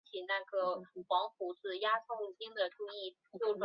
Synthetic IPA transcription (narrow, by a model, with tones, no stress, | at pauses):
t͡ɕʰi˨˩na˥˩ɡə˩xwɑ˧˥ŋpu˧˥t͡sɹ̩˥˩ja˥t͡sʰo˥˩ŋt͡ɕʰi˥ŋd̪ə˨ʈ͡ʂu˥˧ŋi˥˩ | t͡ɕjo˥˩ʊʈ͡ʂ